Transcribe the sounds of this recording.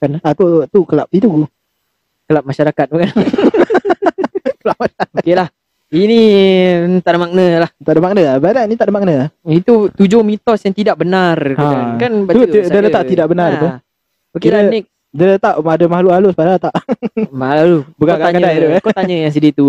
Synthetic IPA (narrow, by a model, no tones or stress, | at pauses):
kanakut̪ukəlap̚it̪uu | kəlap̚maʃaɾakat̪̚bukan | kəlaʔmənaokelah | ini | t̪aʔdamak̚nəlaht̪aʔdəmaknəabanainit̪aʔdəmak̚nəait̪ut̪ud͡ʒomit̪ɔsjaŋt̪idaʔ̚bənarkaakanbadələt̪aʔt̪idaʔbənaru | okellanik̚ | dələt̪aʔmadəmahlualuspadat̪aʔmlalubukak̪aɲadj̪ukot̪aɲəjaŋs̬ədit̪u